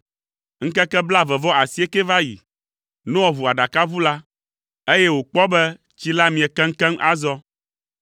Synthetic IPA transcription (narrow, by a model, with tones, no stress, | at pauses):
ŋ̩˦kɛ˦kɛ˦bla˦vɛ˨vɔ˦ʔa˨si˦e˦kɛ˦va˦jḭ˨ | nũ˦wɔ˨vu˨a˨ɖa˨ka˦vu˦la˦ | e˦jɛ˦wo˨k͡pɔ˦bɛ˦ | t͡ɕi˦la˦mĩ˨ɛ˨kɛ˦ŋ̩˦kɛ˦ŋ˦ʔa˦zɔ˦